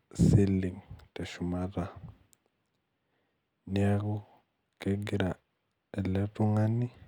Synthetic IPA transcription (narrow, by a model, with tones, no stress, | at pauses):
si˦li˨ŋtɛ˨ʃu˨ma˦ɾa˨ | ni˦a˦ɣu˦ | kɛ˦ɡi˦ɾa˨ | ɛ˨lɛ˦ɾu˦ŋa˦ni˦